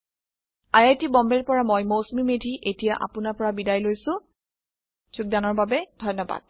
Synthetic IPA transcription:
ajajtibɔmbɛɹpɔɹamojmowsmimedʱiʔetijaʔa̰pʊnaɹpɔɹabidajlojsʊ̃ | zuk̚danɔɹbabɛdʱɔjnːɔba̰d̥̚

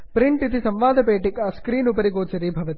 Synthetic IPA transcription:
pɾiɳʈit̪isɐmʋaːd̪ʱɐpeːʈikaskɾiːnupɐɾiɡoːt͡ʃɐɾiːbʱɐʋɐt̪i

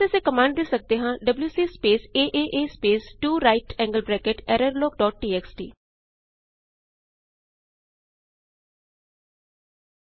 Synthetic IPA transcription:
eseːkəmãːɳɖd̪eːsək̚d̪eːɦãːɖəbljuːsiːspeːseːʔeːʔeːspeːsʈuːɾaːɪʈɛ̃ːŋɡəlbɾɛːkeʈɛːɾəɾloːk̚ɖɔːʈ̚ʈiːɛːksʈḭː

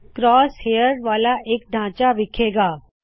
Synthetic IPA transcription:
kɾɔːsheːjəɾʋaːlaʔeːk̚ɖ̪ʱãːt͡ʃaʋɪkʰeːɡaː

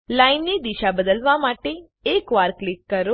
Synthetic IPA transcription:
laːinːid̪iʃabəd̪əlʋamaːʈe | eːkʋaːɾklɪkːəɾo

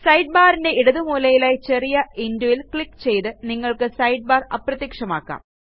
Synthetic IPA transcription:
sɐjɖ̚baːrinde̞iɽɐðɨmuːlɐjilaːjt͡ɕe̞rijɐindojilkɭikːt͡ɕe̞jt̪ɨniŋːɐɭkɨsɐjɖ̚baːrɐ̰prɐt̪jikʂɐma̰ːkːa̰ːm

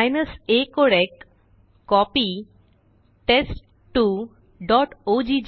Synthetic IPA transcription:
jnɐsekoɾek | kɔpi | ʈesʈ | ʈu | ɖɔʈod͡ʑid͡ʑ

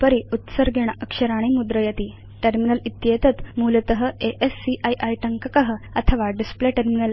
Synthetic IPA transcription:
pəɾiut̪səɾɡʱeɳ̃əkʂəɾaɽ̃imud̪ɾəjət̪i | ʈəɾminəlit̪jet̪ət̪mulət̪əɦəeʔesːiʔajʔajʈəŋkəkəɦəət̪ʰəʋaɖispleʈeɾminəl

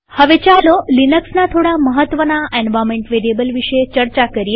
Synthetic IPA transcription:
həʋet͡ɕalolinəksnat̪ʰoɽaməɦət̪ʋənaʔɛnʋamẽɳʈʋeɾiebəlʋiʃəet͡ʃəɾt͡ʃakəɾie

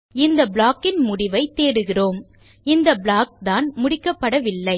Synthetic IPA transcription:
ɪnd̪ɐbɭaːkːɪnmʊɽɪʋɐɪt̪ːeːɽɯɣɪroːm | ɪnd̪ɐbɭaːk̚d̪aːnmʊɽɪkːɐpːɐɽɐʋɪlːɐɪ

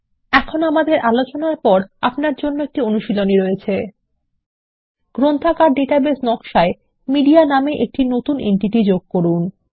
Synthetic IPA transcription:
ɛkʰonamad̪eɾʔalot͡ɕonaɾpɔɾa̰pnaɾd͡ʑonːoek̚ʈionuʃiloniɾoet͡ɕʰe | ɡ̥ɾont̪ʰakaɾɖeʈabesnɔkʃae | miɖianameʔek̚ʈinot̪unḛɳʈiʈid͡ʑoɡ̚koɾun

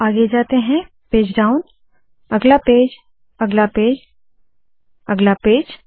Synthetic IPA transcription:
aːɡed͡ʒaːt̪eɦɛ̃ | peːd͡ʒɖaːʊn | ɐɡlapeːd͡ʒ | ɐɡlapeːd͡ʒ | ɐɡlapeːd͡ʒ

